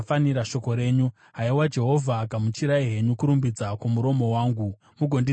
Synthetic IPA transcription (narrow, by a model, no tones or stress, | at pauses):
faniɾaʃo̞ko̞ɾe̞ːɲu | ɦaiwad͡ʒe̞ɦo̞vʱaːkamut͡ʃiɾaiɦe̞ɲukuɾumbid͡zakumuɾo̞mo̞waːŋɡu | muɡʱo̞ndi